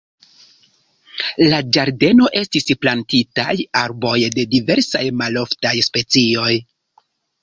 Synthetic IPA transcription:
lad͡ʒaɾde̞no̞ʔe̞stisplantitajaɾbo̞jde̞dive̞ɾsajmalo̞ftajspe̞t͡sio̞j

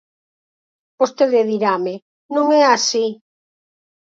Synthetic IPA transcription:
post̪eðeðiɾamɪ | nõŋɛasi

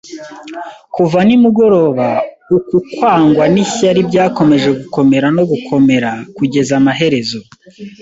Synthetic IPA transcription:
kuvanimuɡo̞ɾo̞ːβa | ukukwaːŋɡwaniçaɾibɟaːko̞me̞ʒe̞ɡuko̞me̞ɾano̞ɡukʰo̞me̞ɾakuɟe̞zamaɦe̞ɾe̞zo̞

